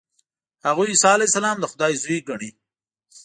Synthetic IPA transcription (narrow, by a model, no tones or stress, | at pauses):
haɣujsɑlajsalɑːmd̪əxʊd̪ɑjzujɡaɳi